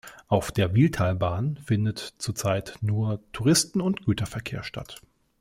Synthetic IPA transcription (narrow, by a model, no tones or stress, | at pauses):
ʔaʊfd̥eːɐviltʰaːlbaːnfɪndətt͡suːɐt͡saɪtnuːɐtʰuʁɪstn̩ʊntɡ̥yːtɐfɛɐkʰḛːɐʃta̰t